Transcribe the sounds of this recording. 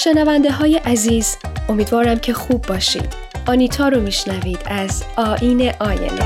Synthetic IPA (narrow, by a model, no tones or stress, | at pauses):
ʃe̞nævænd̪e̞ɦɒːje̞ʔæziːzo̞miːd̪vɒːɾæmcʰe̞xuːbːɒːʃḭːd̪̥ | ʔɒːniːt̪ʰɒːɾomiːʃnæviːd̪̥æzɒːʔiːne̞ʔɒːnḛne